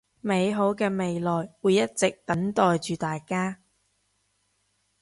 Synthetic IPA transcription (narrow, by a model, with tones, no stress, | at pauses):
me˨˧jɦo˨˥wkɛː˧me˨˧jlɔː˨jwuː˨˧jɐ˥t̚t͡sɪ˨k̚t̪ɐ˨˥ŋt̪ɔː˨jt͡ʃyː˨t̪aː˨jkaː˥